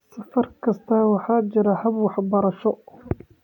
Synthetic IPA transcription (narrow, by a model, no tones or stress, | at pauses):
sɐfɐɾkʰɐst̪ʰawɑħaːd͡ʒɪɾɐhɐbwɑħbɐɾɐʃɔ